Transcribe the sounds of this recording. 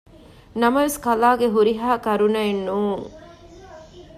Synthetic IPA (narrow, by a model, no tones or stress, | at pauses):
nɐmɐʋeskɐlaːɡeɦuɾiɦaːkɐɾunɐenːuːŋ